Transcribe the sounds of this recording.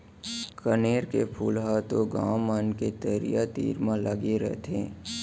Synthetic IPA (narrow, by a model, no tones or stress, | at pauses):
kəneːɾkepʰuːlɦaːt̪oɡaːmːanket̪əɾḭjat̪ḭːɾmãləɡeɾɛ̰ɦt̪ʰḛ̃ː